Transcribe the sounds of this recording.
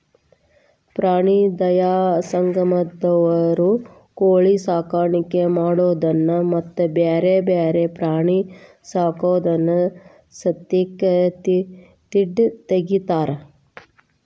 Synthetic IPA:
pɾaːɳid̪ɐjaːsɐŋɡɐmɐd̪ɐʋɐɾu | koːɭisaːkaːɾɳikemaːɽoːd̪ɐnːɐmɐt̪ːubeːɾebeːɾepɾaːɳi | saːkoːd̪ɐnːɐ | sɐt̪ːikɐt̪i | t̪iɖt̪eɡit̪aːɾɐ

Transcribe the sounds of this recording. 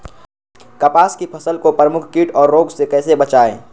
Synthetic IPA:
kɐpaːskipʰɐsəlkopɾəmʊkʰkiːʈɔːɾːoːɡsekɛːsebɐt͡ʃaːḛ̃ː

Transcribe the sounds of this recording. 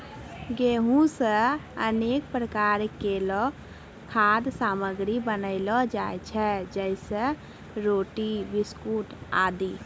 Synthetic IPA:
ɡeːɦũsəəneːkpɾəkaːɾkelɔ | kʰaːd̪saːməɡɾibənəɪlɔd͡ʒaːjt͡ʃʰɛd͡ʒəɪsə | ɾoːʈibɪskuːʈa̰ːd̪iː

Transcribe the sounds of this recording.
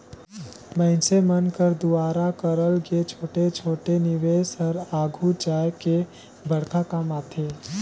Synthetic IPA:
mə̃ɪ̃semənkəɾd̪ʊaːɾakəɾəlɡet͡ʃʰoːʈet͡ʃʰoːʈenɪʋeːsəɾaːɡʱut͡ʃaːjke | bɐɽkakaːmaːt̪ʰeː

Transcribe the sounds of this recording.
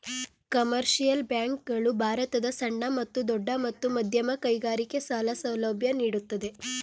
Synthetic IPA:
kɐmɐɾʃijɐlbjaːŋk̚ɡɐɭubʱaːɾɐt̪ɐd̪ɐsɐɳːɐmɐt̪ːud̪ɔɖːɐmɐt̪ːumɐd̪ʱjɐmɐkɐjɡaːɾike̞saːlɐsɐwlɐbʱjɐniːɽut̪ːɐd̪e̞

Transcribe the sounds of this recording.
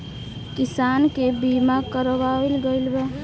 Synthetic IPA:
kisankebimakəɾbalɡəɪlbe

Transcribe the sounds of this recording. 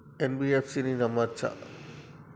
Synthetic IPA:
enbiefsininɐmat͡ʃʰa̰

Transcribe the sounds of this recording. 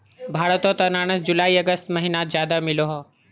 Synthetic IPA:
bʱaːɽət̪ot̪ɐnaːɽ̃əsd͡ʑʊlaːiɐɡəst̪mɐɦinazjaːd̪amɪloɦoː

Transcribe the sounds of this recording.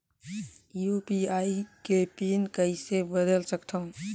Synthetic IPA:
jupiaikepinkəisebəd̪əlsəkt̪ʰəʊ̃

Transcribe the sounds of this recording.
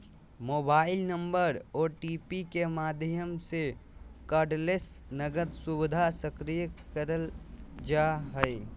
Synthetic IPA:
moːbaːɪlnə̃mbəɾɔːɾʈiːpikemaːd̪ʱjəmsekaːɖles | nəɡəd̪sʊbɪd̪ʱasəkɾijəkəɾəld͡ʒaɦɛe

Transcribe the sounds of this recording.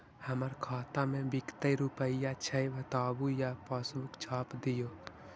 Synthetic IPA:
həməɾkʰaːt̪ãmẽbɪkt̪əiɾupəijat͡ʃʰəjʋət̪aːbujapaːsmʊkt͡ʃʰaːpd̪ɪjoː

